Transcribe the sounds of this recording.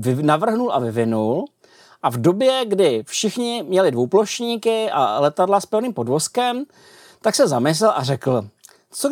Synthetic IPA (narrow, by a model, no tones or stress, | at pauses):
ɪnavr̩ɦnulʔa̰vɪvɪnul | ʔavdo̞bjɛɡdɪfʃɪxɲɪmɲɛlɪdvowplo̞ʃɲiːkɪʔa̰lɛt̪adlaspɛvniːmpo̞dvo̞skɛm | t̪aksɛzamɪs̬lɛlʔarɛkl̩ | t͡so